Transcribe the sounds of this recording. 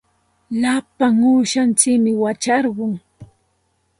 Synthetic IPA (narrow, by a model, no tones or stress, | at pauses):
lapaŋuːʃant͡ʃɪkmɪwat͡ʃaɾɢʊŋ